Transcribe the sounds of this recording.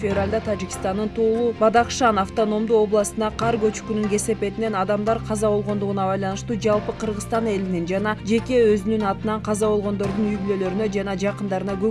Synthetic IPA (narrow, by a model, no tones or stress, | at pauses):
fʲevralʲd̪ɑt̪ʰad͡ʒikʲi̥st̪ɑnːɯnt̪ʰo̞ːlˠubɑd̪ɑqʃɑnɑft̪o̞no̞md̪uo̞blˠɑsɯnd̪ɑqʰɑɾɡø̞t͡ʃy̥kynyŋɡe̞se̞pe̞t̪ine̞nɑd̪ɑmd̪ɑɾqʰɑzɑβo̞lˠʁo̞nd̪uʁunɑbɑjlˠɑnɯʃt̪uːd͡ʒɑlˠpɯqʰɯɾʁɯst̪ɑne̞linind͡ʒɑnɑd͡ʒe̞kʲe̞øzynynɑt̪ɯnɑɴqʰɑzɑβo̞lˠʁo̞nd̪o̞ɾd̪unyjbylø̞lø̞ɾynø̞d͡ʒɑnɑd͡ʒɑqɯnd̪ɑɾɯnɑɡø